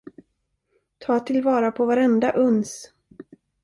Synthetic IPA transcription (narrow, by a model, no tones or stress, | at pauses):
t̪ʰɑːt̪ʰɪlvɑːɾapʰɔvaɾɛnd̪aʔɵns